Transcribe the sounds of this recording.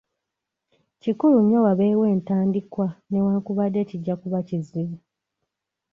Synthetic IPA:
cikuluɲːowaβe̞ːwe̞ːntaːndikwane̞waːŋkuβadːe̞ciɟːakuβaciziβa

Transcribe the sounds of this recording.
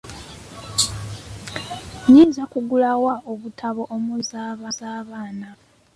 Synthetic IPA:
ɲiːnzakuɡulawaʔoβutʰaβo̞ʔomuzaːβazaːβaːna

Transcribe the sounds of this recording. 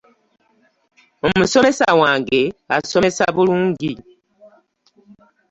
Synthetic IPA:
omuso̞me̞sawaːŋɡeaso̞me̞saβuluːŋɡi

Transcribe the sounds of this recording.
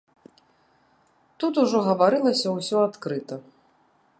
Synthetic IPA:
t̪ut̪uʐɔɣɐvaɾɨlˠɐsʲɐwsʲɔat̪kɾɨt̪ɐ

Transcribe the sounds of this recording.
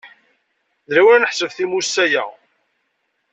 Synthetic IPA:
ðɾæwæɾnəħsəvθimusːæjæ

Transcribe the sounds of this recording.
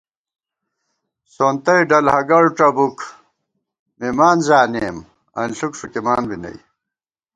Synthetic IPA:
soːnt̪ɐjɖɐlhɐɡɐɭʈ͡ʂɐbuk | mimaːnzaːneːm | ɐ̰nɬukʂukimaːnbinɐ̰j

